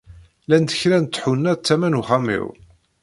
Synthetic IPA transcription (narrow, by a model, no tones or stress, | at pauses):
lænd̪əçɾænt̪ːħunːæt͡sːæmænuχamḭw